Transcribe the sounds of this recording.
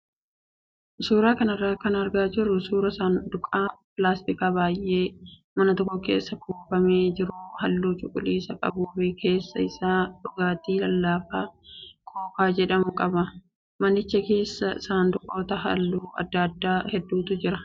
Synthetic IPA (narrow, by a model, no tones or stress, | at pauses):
suːɾaːkɐnɐrːaːkɐnɐɾɡaːd͡ʒɪɾːʊsuːɾɐsaːnd̪ʊkʼaːpɪlaːst̪ɪkaːbaːjʔːe̞ː | mɐnɐt̪ɔkːɔke̞̰ːsːɐkuːfɐmeːd͡ʒɪɾʊhɐlːuːt͡ʃʼʊkʼʊliːsɐkʼɐ̰buːfɪkʰe̞ːsːɐ̰ɪsaːᶑʊɡaːt̪iːlɐlːaːfaːkʰoːfaːd͡ʒɛᶑɐmʊkʼɐbɐ | mɐnɪt͡ʃːɐke̞ːsːɐsaːnd̪ʊkʼːo̞ːt̪ɐhɐ̰lːuːɐ̰d̪ːad̪ːaːhɛd̪ːuːt̪ʊd͡ʒɪɾɐ